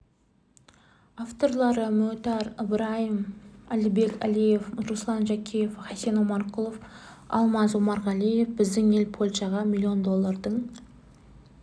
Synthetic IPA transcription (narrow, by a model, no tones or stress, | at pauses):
aft̪o̞rlˠɑɾəmɵt̪ɑɾəbɾajimælibe̞kʲælijefɾuslˠɑnʒækʲijefχasenomɑrqulˠof | ɑ̰lˠmɑzwomɑɾʁɑlʲije̞fbɪzd̪ɪŋe̞lpʰo̞lʲʃɑʁɑmʲilʲːio̞nd̪o̞lˠːɑrd̪əɴ